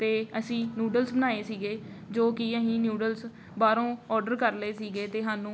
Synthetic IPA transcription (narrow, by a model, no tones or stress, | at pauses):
t̪eːəsĩːnjuːɖəlsbənaːeːsiːɡeː | d͡ʒoːkiːəɦĩːnjuːɖəls | baːɾõːɔːɖəɾkəɾleːsiːɡeːt̪eːɦaːnũː